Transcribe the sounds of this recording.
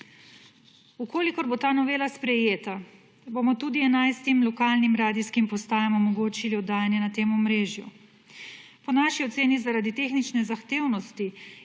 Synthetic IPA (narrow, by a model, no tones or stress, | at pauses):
ukoːlikɔɾbot̪aːnɔʋeːlaspɾɛjeːt̪a | bomɔt̪uːd̪iɛnajst̪imlɔkaːlnimɾaːd̪iskimpɔst̪aːjamɔmɔɡoːt͡ʃiliɔd̪aːjanjɛnat̪eːmɔmɾeːʒjṵ | pɔnaːʃiɔt̪seːnizaɾaːd̪it̪eːxnit͡ʃnɛzaxt̪eːwnɔst̪i